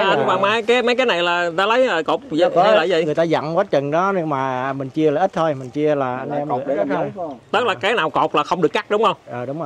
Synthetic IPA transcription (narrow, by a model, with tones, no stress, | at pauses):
a˧n˨ɓaː˨˩ma˨˦jkaː˨˦jma˨˦jk̬a˨˦na˨˩jlaː˨˩t̪aː˧lə˨˦jəː˨˩ko˨˩wk͡p̚ːla̰ː˧˨˩jzə̰˧˨ɨ˨˩əjt̪aː˧za̰˧˨ŋkwaː˨˦˥t͡ɕə˨˩nɗɔ˨˦nɨ˧maː˨˩mï˨˩ŋ̟t͡ɕi˧əlaː˨˩ʔi˦˥t̚t̪ʰo˧jmï˨˩ŋ̟t͡ɕi˧əlaː˨˩ʔa˧jnʔɛ˧m˨˩˨a˦˥˧t̪ə˦˥t̚laː˨˩kaː˨˦jnaː˨˩wko˨˩wk͡p̚laː˨˩xə˧wŋ͡mɗɨ˨˩əkːa˦˥k̚ɗʊ˨˦ŋ͡mhə˧wŋ͡mʔəː˨˩ɗʊ˨˦ŋ͡mo˨˩